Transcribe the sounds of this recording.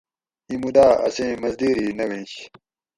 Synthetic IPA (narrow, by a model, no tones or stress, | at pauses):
imud̪aːɐ̰sẽːmɐzd̪iːɾiːnɐwẽnɕ